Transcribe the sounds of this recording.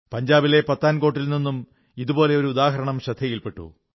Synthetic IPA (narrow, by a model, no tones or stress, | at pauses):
pɐɲd͡ʑaːbile̞pɐt̪ːaːnko̞ːʈ̬ːilninːum | iðubo̞ːle̞o̞ɾuːd̪aːɦɐɾɐɳɐmɕɐd̪ʱːɐjilpe̞ʈːṵ